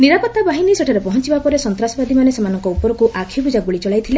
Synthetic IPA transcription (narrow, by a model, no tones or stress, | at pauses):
niɾapɔt̪ːabaɦiniseʈʰaɾepɔɦɔnt͡ʃibapɔɾesɔnt̪ɾasɔbad̪ʱimanesemanɔŋkɔupɔɾɔkuʔakʰibud͡ʒaɡuɭit͡ʃɔɭajt̪ʰile